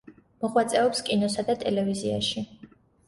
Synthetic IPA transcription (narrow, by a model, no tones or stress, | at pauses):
mɔʁwat̪sʼɛɔpskʼinɔsad̪at̪ʼɛlɛvizia̰ʃi